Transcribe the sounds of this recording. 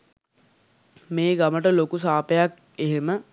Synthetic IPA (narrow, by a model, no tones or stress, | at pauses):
meːɡaməʈəlokusaːpəjak | eɦemə